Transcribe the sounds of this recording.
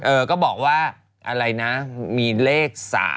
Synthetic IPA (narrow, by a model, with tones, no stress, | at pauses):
ʔɤː˧kɔː˥˩bɔː˨˩k̚waː˥˩ | ʔa˧ɾa˧jna˦˥miː˧leː˥˩k̚sa̰ː˩˦